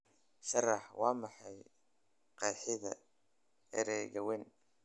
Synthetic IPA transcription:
ʃɑrɑħwɑːmɑħɑj | qɑːħɪðɐ̰ | ɛ̰ɾɛːɣɐwɛn

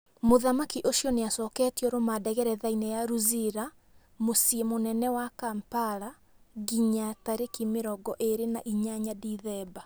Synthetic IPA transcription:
moðamakiʔosjɔneasɔːkɛːtjɔɾomadɛɣɛɾɛðainɛjaɾuziɾa | mosiemonɛnɛwakampaɾa | ɣiɲataɾekimeɾɔɡɔʔeɾenaʔiɲaɲadiðɛba

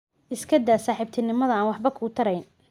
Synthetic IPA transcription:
ʔɪskʰɐd̪aːsaːħɪb̚t̪ʰɪnɪmɐðɐaːnwɑħbɐkʰʊt̪ʰɐɾɛjn

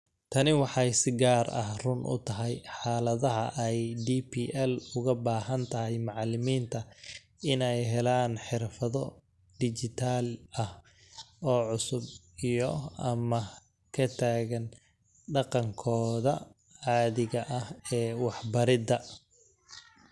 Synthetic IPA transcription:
t̪ʰɐnɪwɑħɑjsɪɡaːrɐ̰hrʊnʔʊ̰t̪ʰɐɦɛjħɑːlɐðɐɦɐ̰ʔɛjd̪iːpʰiːʔɛlʊɣɐbaːɦɐnt̪ʰɐɦɛjmɑʕlɪmiːnt̪ʰɐ | ɪnɛjɦɛlaːnħɪrfɐðɔ | ɖ̪̥ɪt͡ʃɪt̪ʰaːlɐh | ɔːʕʊsʊb | ijɔɐmɐ | kʰɐt̪ʰaːɣɐn | ɖɑqɑŋkʰɔːðɐ | ʕɑːðɪɣɐʔɐhɛːwɑħbɐɾɪd̪ɐ

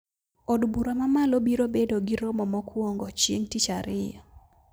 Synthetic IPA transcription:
ɔdbuɾamamalobiɾobedoɡɪɾɔmɔmɔkwɔŋɡɔt͡ʃjḛŋtit͡ʃaɾɪja

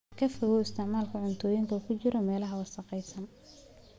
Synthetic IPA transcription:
kʰɐfɔɣɔɪst̪ʰɪʕmaːlkʰɐʕʊnt̪ʰɔːjɪŋk̪ʰɐkʰʊt͡ʃɪɾɔmɛːlɐɦɐwɑsɑqɛjsɐn

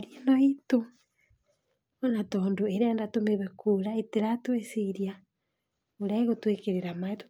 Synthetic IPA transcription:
ɾienɔito | ɔnatɔːndoeɾeandatomeβekuɾaeteɾatweseiɾia | oɾaeɣotwekeɾeɾamaet

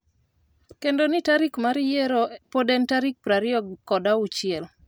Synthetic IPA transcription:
kendonɪtaɾikmaɾijɛɾopodentaɾik̚pɾaɾɪɔɡɔdaut͡ʃɪɛl

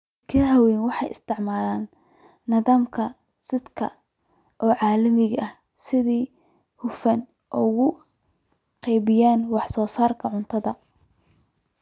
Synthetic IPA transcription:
kʰɐɦɐwɛːnwɑħɑjɪ̰st̪ʰɪʕmaːlaːnː | ɐðaːmkʰɐ | sɪd̪kʰɐ̰ | ʔɔːʕɑːlɐmɪɣɐʔɐh | sɪðiː | hʊfɐn | ʔɔɣʊ | qɛjβɪjaːnwɑħsɔːsaːrkʰɐʕʊnt̪ʰɐðɐ

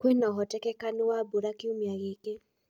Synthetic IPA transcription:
kwenaɦɔtɛkɛkanewaboɾakiumjaɣeke

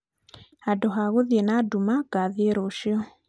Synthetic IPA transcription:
hadɔɦaɣoðiɛnadumakaðiɛɾoʃiɔ

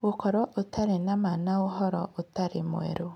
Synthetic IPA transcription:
okɔɾwɔʔotaɾenamanaoɦɔɾɔʔotaɾemwḛɾo

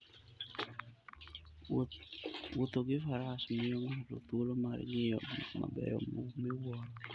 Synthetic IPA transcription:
wot̪oɡɪfaɾasmɪjoŋalo̰t̪wolomaɾŋɪjɔ̰dima̰bɛ̰jɔ̰momewɔn

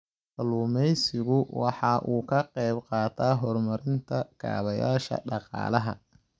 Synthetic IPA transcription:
ʔɐluːmɛjsɪɣʊwɑħɑʔuːkʰɐqɛjbqɑːt̪ʰaːɦɔrmɐɾɪnt̪ʰɐkʰa̰ːβɐjaːʃɐ̰ɖɑqɑ̰ːlɐɦɐ̰

